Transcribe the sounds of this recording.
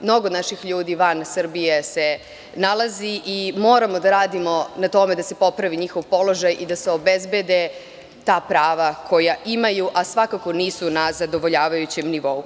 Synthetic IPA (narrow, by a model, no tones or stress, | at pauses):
mno̞ɡonaʃixʎuːd̪iːʋansr̩bijese̞ | nalˠaziʔimo̞ːɾamo̞d̪aɾaːd̪imo̞nat̪o̞me̞d̪ase̞po̞pɾaʋiɲixo̞ʋpo̞lo̞ʒajʔid̪ase̞o̞bezbed̪e | t̪aːpɾaːʋakʰo̞jaʔimajuʔasʋakako̞niːsunazad̪o̞ʋo̞ʎaːʋajut͡ɕemniʋo̞u